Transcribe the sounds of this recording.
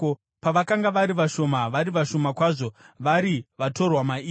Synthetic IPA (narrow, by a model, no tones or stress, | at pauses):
paʋakaŋɡaʋaɾiʋaʃo̞maʋaɾiʋaʃo̞makwaʐo̞ʋaɾiʋato̞rwamaiː